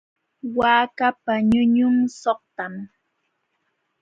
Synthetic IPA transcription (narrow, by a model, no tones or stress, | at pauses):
waːkapaɲʊɲʊmsoχ̚t̪am